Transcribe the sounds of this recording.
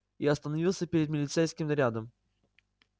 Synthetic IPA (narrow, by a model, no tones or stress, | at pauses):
iɐst̪ənɐvʲilˠsʲəpʲɪɾʲɪd̪mʲɪlʲɪt̪sejskʲɪmnɐɾʲad̪əm